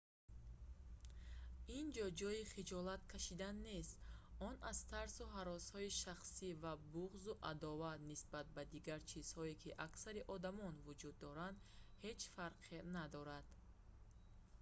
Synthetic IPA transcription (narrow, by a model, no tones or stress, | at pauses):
ind͡ʒɔd͡ʒɔjiχid͡ʒɔlat̪kʰaʃid̪anːe̞st̪ɔnʔaz̥t̪ʰaɾsuɦaɾɔshɔiʃaχsivabuʁzuʔad̪ɔvat̪nisbat̪̚bad̪iɡaɾt͡ʃʰiz̥hɔikʰiʔaksaɾiʔɔd̪amɔnvud͡ʒud̪ːɔɾand̪he̞t͡ʃfaɾqʰenad̪ɔɾad̪̥